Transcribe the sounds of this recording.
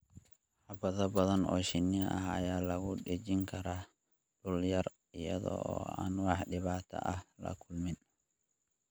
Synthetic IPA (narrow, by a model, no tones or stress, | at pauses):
habaðabaðanʔɔ̰ʃiniaaajalawuɗɛd͡ʒiŋkaɾa | ɗ̥ɔljaɾ | jaðɔ̰a̰nwahɗiβata̰ʔala̰kʰulmin